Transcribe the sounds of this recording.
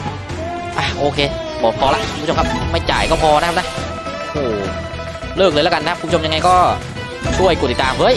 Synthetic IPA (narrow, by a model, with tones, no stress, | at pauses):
ʔaː˧˩ʔoː˧˩kʰe˧ | ɓɔː˨˩pʰɔ˧la̰ː˧˨xu˧˨˧ŋ͡mt͡ɕo˧ŋ͡mkʰaː˦˧˥pma˧˩jt͡ɕa̰ː˨˩jkɔː˧˥˩pʰɔː˧n˧˦˥kaː˦˧˥na˧˦ | ʔo˧˩ | ləː˧˩k̚ləː˨˧˩la˧˥ka˨˩naː˦˥pkʊ˧˦ŋ͡mt͡ɕo˧mɲa˧ŋa˧jkɔ˧˥ | su˧˩əjku˧˩t̪i˨˩t̪aː˨˩mvəː˨˦j